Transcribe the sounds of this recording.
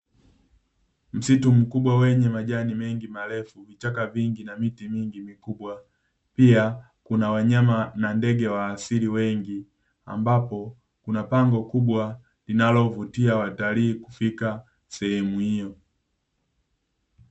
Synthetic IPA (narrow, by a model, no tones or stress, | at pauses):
m̩situm̩kubwawɛɲɛmaʄanimɛŋɡimalɛfuvit͡ʃakaviŋɡinamitimiŋɡimikubwa | pia | kunawaɲamanandɛɡɛwaːsiliwɛŋɡi | a̰mbapɔ | kunapaŋɡɔkubwa | linalɔvutiawataliːku̥fika | sɛhɛmuhijɔ